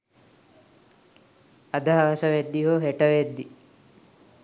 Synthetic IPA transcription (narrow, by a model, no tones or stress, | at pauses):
ɐd̪aɦʋɐsɐʋed̪ːiɦoːɦeʈɐʋed̪ːi